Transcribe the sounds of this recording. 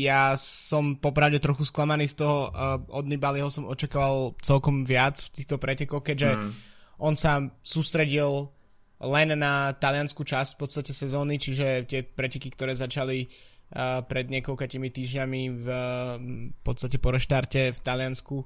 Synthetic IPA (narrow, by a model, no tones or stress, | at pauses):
jassɔmpɔpɾaʊɟɛt̪ɾɔxusklamaniːst̪ɔɦɔɔd̪nibaliɦɔsɔmɔt͡ʃakaːʋalˠt͡sɛlkɔmʋɪat͡sft̪iːxt̪ɔpɾɛcɛkɔxkɛɟʒɛʔɔnsasuːst̪ɾɛɟil | lɛnːat̪alɪanskut͡ʃascfpɔt̪st̪acɛsɛzɔːnit͡ʃiʒɛt̪ɪɛpɾɛcɛkikt̪ɔɾɛːzat͡ʃali | pɾɛd̪ɲɪɛkɔlkacimit̪iːʒɲamiv | pɔt̪t͡sst̪acɛpɔɾɛʃt̪aɾcɛft̪alɪansku